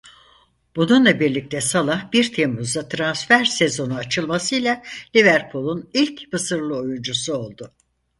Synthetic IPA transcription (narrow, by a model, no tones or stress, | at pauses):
b̥ununlˠabiɾlʲic̚t̪ʰɛsalˠahbiɾt̪ʰemuzd̪at̪ʰɾansfæɾse̞zo̞nuat͡ʃʰɯlˠmasɯjlʲˠalʲivæɾpʰulˠunilʲcbɯsɯɾlˠɯo̞jund͡ʒusuo̞lˠd̪ʊ